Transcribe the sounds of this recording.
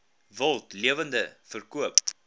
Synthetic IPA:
vəlˠtliəvəndəfərkuəp

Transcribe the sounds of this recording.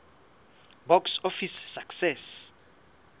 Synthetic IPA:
bɔksofisːaksɛs

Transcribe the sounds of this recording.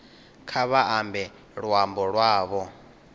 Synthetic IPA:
kʰaβaʔambɛ | ɺwambɔɺwaːβɔ

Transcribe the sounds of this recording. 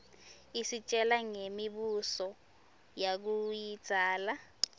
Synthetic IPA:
isit͡ʃʼɛlaŋemiɓusɔ | jak̬ujid̥z̥ʱaːla

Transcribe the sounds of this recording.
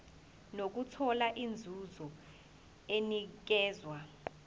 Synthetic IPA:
nok̬utʰɔlaʔind͡zʱuzɔ | enik̬ɛːzwa

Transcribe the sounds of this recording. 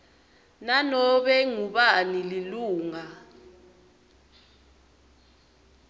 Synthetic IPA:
nanɔɓɛŋuɓanililuːŋa

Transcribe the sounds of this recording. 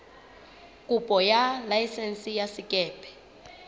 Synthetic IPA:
kʼupʼɔjalajsɛnsijasikʼɛːpʰʼɛ̥

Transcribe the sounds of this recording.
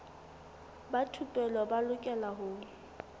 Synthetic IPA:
batʰupʼɛlɔbalʊkʼɛlaɦʊː

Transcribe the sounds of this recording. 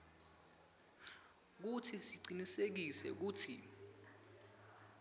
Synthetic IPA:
k̬utʰisiǀinisek̬isɛ̰k̬uːtʰḭ

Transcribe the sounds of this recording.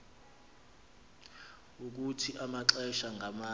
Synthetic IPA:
uk̬utʰiʔamaǁɛʃaŋɡʱama

